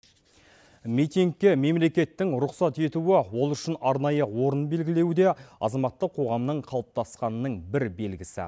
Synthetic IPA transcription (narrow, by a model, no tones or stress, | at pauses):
mijt̪iŋk̚kʲːeme̞mle̞kʲe̞t̪ːɪŋɾʊqsɑt̪e̞t̪uɪwo̞lˠʏʃɪnɑɾnɑjəwo̞ɾənbe̞lɡʲɪle̞wd̪e̞ɑ̰zɑmɑt̪ːəqʰo̞ʁɑmnəɴqʰɑlˠəp̚t̪ɑsqɑnəːəɴbɪɾbe̞lɡʲɪsɪ̰